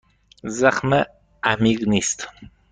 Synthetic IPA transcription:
zaχmə | ʔamiɡnist̪

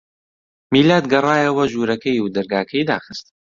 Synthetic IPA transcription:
miːlaːd̪ɡɐrˤaːjɐwɐʒuːɾɐkʰɐjud̪ɐɾɡaːkʰɐjd̪a̰ːxɨst̪

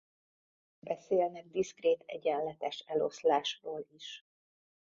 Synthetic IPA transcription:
bɛseːlnɛɡ̚d̪iskreːt̪ʰɛ̰ɟɛnlɛt̪ɛʃɛlo̞̰slaːʃroːliʃ

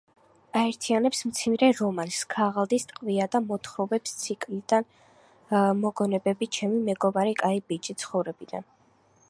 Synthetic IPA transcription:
aɛɾt̪ʰianɛpsmt̪sʰimɾɛɾɔmanskʰaʁalˠd̪ist̪ʼqʼviad̪amɔt̪ʰχɾɔbɛpst̪sʰikʼlid̪̥an | mɔɡɔnɛbɛbit͡ʃʰɛmimɛɡɔmaɾikʼaibit͡ʃʼit̪sʰχɔvɾɛbid̪a̰n

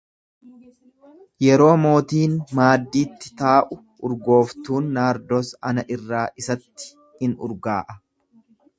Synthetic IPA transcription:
jɛɾo̞ːmo̞ːt̪iːnmaːd̪ːiːt̪ːɪ̥t̪aːʔʊ | ʊɾɡo̞ːft̪uːnːaːɾd̪oːsɐnɐʔɪrːaːʔɪsɐt̪ːɪ̥ | hɪnʊ̰ɾɡaːʔɐ

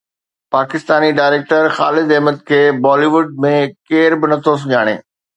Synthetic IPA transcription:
paːkɪst̪aːniɖaːɪɾeːk̚ʈəɾxaːlɪd̪ɛɦməd̪̚kʰeːbɔːliʋʊɖ̚mẽkeːɾbɪnɐt̪ʰos̬ʊʄaːɽ̃ḛː

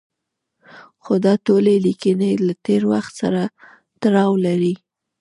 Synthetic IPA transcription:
xod̪ɑtolelikənelat̪eɾwaxt̪sa̰ɾa | t̪aɾɑwlaɾi

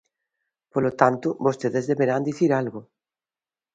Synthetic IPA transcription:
polot̪ant̪uβost̪eðezðeβeɾand̪iθiɾalɣo

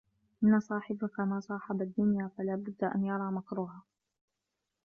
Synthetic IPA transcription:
ʔɪnːasˤɑːħɪbakamaːsˤɑːħɑbad̪ːʊnjaːfalaːbʊd̪ːaʔa̰njɑɾˤɑːmakɾuːhaː

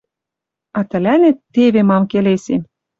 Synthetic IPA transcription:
ɑt̪ə̆lænet̪ːeβemɑmkelesem

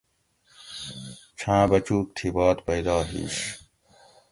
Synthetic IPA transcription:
t͡ɕʰãːbɐt͡ɕuːk̚t̪ʰibɑːt̪pɐjd̪aːɦḭːɕ

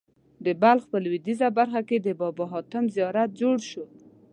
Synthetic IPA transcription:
d̪əbalxpəlwid̪izabaɾxaked̪əbɔbɔɦɑt̪əmzijɑɾat̪̚d͡ʒoɽʃo

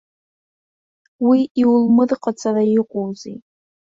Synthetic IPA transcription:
wiiwlmɨdqʼat͡sʰʼarajɪqʷʼowzḭ

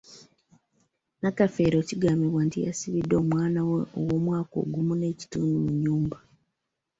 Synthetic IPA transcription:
nakafe̞ːɾo̞ːciɡaːmiβwantija̰siβidːo̞ːmwaːnaweowo̞ːmwaːko̰ːɡumune̞ːci̥tuːndumuɲːuːmba

